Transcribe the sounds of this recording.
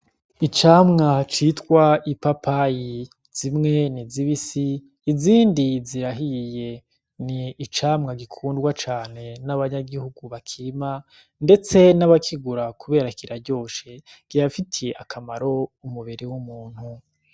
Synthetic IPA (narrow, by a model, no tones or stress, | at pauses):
it͡ʃaːmŋat͡ʃitkwaipapaji | z̥imŋe̞niziβisiː | ziːndiziɾaɦije̞ | niːt͡ʃaːmŋaɡikʰuːndɡwat͡ʃaːne̞naβaɲaɡihuɡuβakʰiːma | nde̞t͡se̞naβakʰiɡuɾakuβe̞ːɾaikiɾaɾɟo̞ːʃe | ɡ̥ijafitʰeʔakʰamaɾo̞umuβiɾewumuːn̥hu